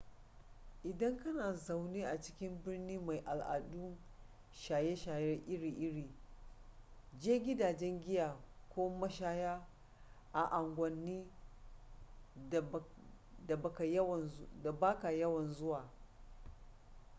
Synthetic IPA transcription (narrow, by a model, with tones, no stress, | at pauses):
ʔɪ˨dɐ˦ŋkɐ˦naː˨za˨wniː˦ʔa˨t͡ʃɪ̥˦kʲɪ˦mbɪ˦rniː˦ma˨jʔa˨lʔa̰˨du˦ | ʃaː˨je˦ʃaː˨jɛ˦rʔɪ˦ɽiː˨ʔɪ˦ɽiː˨ | d͡ʒeː˦ɡʲɪ˦daː˨d͡ʒɛ˦ŋɡʲɪ˦jaː˨kʷoː˦mɐ˦ʃaː˦jaː˦ | ʔa˨ʔa˨ŋɡʷɐ˨nːiː˦˨ | da˨bɐ˨ka˨jda˨baː˦ka˨jɐ˦wɐ˨nzʊ˦waː˨